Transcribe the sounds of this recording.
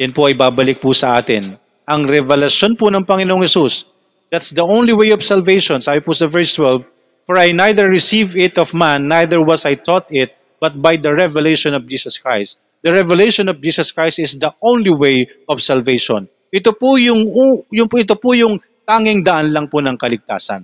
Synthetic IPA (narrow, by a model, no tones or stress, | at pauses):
jɐnpʊʔɐjbabɐlɪk̚pʊsɐʔa̰ːt̪ɪ̰n | ʔɐŋɾɛvɛlɐʃjonpʊnɐŋpɐŋɪnoʔoŋhɛsus | d̪̥at̪sd̪ɐʔõw̃nliwejɔbsɐlvejʃɔnsaːbɪpʊsɐvɛɹst̪wɛlv | fɔɹajnajd̪ɛɹːɪsivɪt̪ɔfmanːajd̪ɛɹwɐsajt̪ɔt̪ɪt̪̚ | b̥ɐt̪̚bajd̪ɐɹɛvɛlejʃɔnɔvd͡ʒiːsɐskɹa̰jst̪ | d̪ɐɹɛvɛlejʃɔnɔvd͡ʒiːsɐskɹajst̪ɪsd̪ɐʔõwnliwej | ʔɔv̥sɐlvejʃɔ̰n | ʔɪt̪opʊjʊŋujʊɪt̪opʊjʊŋ | t̪aːŋɪŋd̪ɐʔanlɐŋpʊnɐŋkɐlɪɡ̚t̪a̰ːsɐ̰n